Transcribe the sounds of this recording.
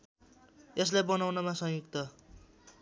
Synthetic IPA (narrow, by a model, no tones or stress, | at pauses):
es̬lajbʌnawnʌmasʌ̃ŋjukt̪ʌ